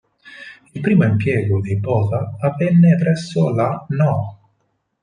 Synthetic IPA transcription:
ilpɾiːmoimpjɛːɡod̪ibɔːzaːvɛnːepɾɛsːʊlanɔ

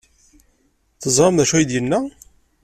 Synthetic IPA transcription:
θəzˤɾˤɑmðæʃujd̪jənːæ

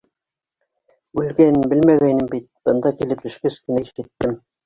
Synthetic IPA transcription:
ʉlɡænɘnbɘlmæɣæjnɘmbit̪̚b̥ɤ̆nd̪ɑkilɘp̚t̪ɵ̆ʃkɘskɘ̆næʃæt̪ːɘm

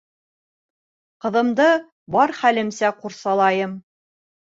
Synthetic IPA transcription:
qɤ̆ðɤ̆md̪ɤ | bɑɾχælɘ̆msæquɾsɑlˠɑjɤm

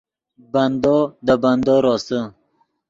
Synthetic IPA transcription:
band̪ɔd̪əband̪oɾɔsə

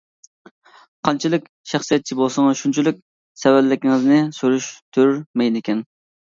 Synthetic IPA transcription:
qʰɑnt͡ʃʰilˠɪkʲ | ʃæχsijɛt̪̚t͡ʃʰibolˠsɑŋɑʃunt͡ʃʰilɪk̚ʲ | sɛvɛlːɪkʲiŋɪznɪsoɾyʃt̪ʰøɾɾmɛjnɪkʲɛn

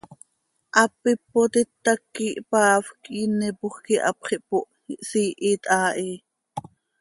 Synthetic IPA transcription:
ʔɑpːipːot̪it̪ːɑkːiʔpɑːfkinɛpoχkiʔɑ̰pχiʔpoʔ | ʔsiːʔit̪ʼʔɑːʔi

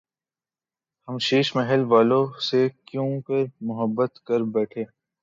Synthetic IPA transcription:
hɐmʃiːʃmɛɦɛlʋaːlõsekjũːpəɾmʊɦəbːət̪kɐɾbɛːʈʰeː

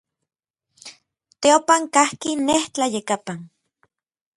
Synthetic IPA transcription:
t̪eopaŋkahkineht͡ɬajekapan

